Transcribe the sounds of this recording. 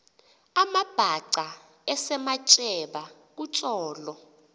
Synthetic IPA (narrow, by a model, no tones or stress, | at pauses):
amab̥ʱaǀa | ɛsɛmat͡ʃʼɛɓa | k̬ut͡ʃʼɔːlɔ